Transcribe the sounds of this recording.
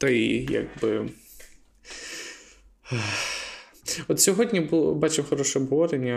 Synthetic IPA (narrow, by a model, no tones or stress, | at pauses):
t̪ɐija̰ɡbɪ | ɔt̪sʲɔɦɔdʲnʲibubɑt͡ʃɪmxɔɾɔʃɛɔbɦɔʋɔɾenʲːɐ